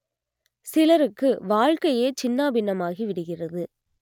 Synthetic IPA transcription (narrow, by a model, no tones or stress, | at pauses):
sɪlɐɾɯkːɯʋaːɻkɐjeːt͡ʃɪnːaːbɪnːɐmaːɣiʋɪɽɯɣɪrɐðɯ